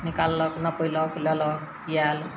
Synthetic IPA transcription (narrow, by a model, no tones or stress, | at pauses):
nikalːɔknʌpəjlɔklɔlɔk | jal